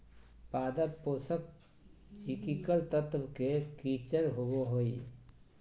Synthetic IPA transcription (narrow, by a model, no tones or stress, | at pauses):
paːd̪əpːoːsək̚ | t͡ʃikikəlt̪ət̪ʋkekit͡ʃəɾɦowoɦoi